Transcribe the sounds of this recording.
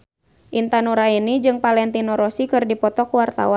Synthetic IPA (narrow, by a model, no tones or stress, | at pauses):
ʔint̪anuɾainid͡ʒɨŋpalɛnt̪inɔɾɔsikɨrdipɔt̪ɔkuwart̪a̰wan